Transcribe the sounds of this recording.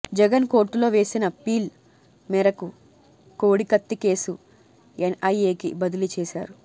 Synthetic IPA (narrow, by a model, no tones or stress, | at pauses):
d͡ʒɛɡɐnko̞ːɾʈːulo̞ːʋe̞ːsinɐpiːl | mɛɾɐku | ko̞ːɽikɐt̪ːike̞ːsu | enɐjeːkḭbɐd̪ilit͡ʃɛːsaːɾu